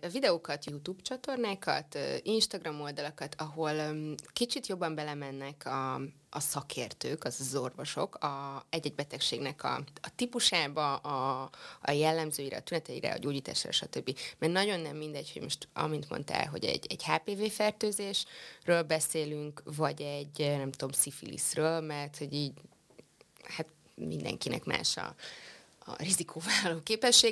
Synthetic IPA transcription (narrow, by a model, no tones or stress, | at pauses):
vid̪ɛoːkɒt̪jut̪uːbt͡ʃɒt̪o̞rnaːkɒ̰t̪ːinʃt̪ɒɡrɒmo̞ld̪ɒlɒkɒt̪ʰɒɦo̞lkit͡ʃit̪jo̞bːɒmbɛlɛmɛnːɛkʰɒː | sɒkʰeːrt̪øːkɒzzo̞rvo̞ʃo̞kɒɛɟːɛɟbɛt̪ɛkʃeːɡnɛkɒ̰ɒt̪ipuʃaːbɒʔː | jɛlːɛmzøːjiɾɛ̰ɒt̪ynɛt̪ɛjiɾɛ̰ɒ̰ɟoːɟiːt̪a̰ːʃaːɾɛ̰ʃɒt̪øbːimɛrnɒɟo̞nːɛmːind̪ɛɟho̞ɟmo̞ʃt̪ɒ̰mint̪mo̰nt̪a̰ːlɦo̞̰ɟɛ̰ɟɛɟhaːpeːveːfɛrt̪øːzeːʃrøːlbɛseːlyŋkvɒɟɛɟnɛmt̪o̞msifḭlḭsrøːlmɛrt̪ho̞ɟiːɟ | hat̪ | mḭnd̪ɛ̰ŋkinɛ̰kma̰ːʃɒ̰ | ɒ̰rizikʰoːvaːlɒloːkeːpɛʃːeːɡ